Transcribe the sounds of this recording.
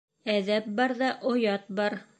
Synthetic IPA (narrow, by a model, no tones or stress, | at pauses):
æðæp̚bɑɾðɑʔŏjɑt̪̚bɑɾ